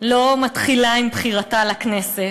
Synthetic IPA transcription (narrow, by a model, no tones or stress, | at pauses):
lo̞matχilaimbχiʁatalaknese